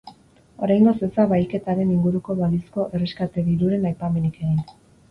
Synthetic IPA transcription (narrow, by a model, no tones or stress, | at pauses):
o̞ɾajŋɡo̞sesaβajke̞t̪aɾe̞niŋɡuɾuko̞βalisko̞ʔe̞reskat̪e̞ðiɾuɾe̞najpame̞nike̞ɣin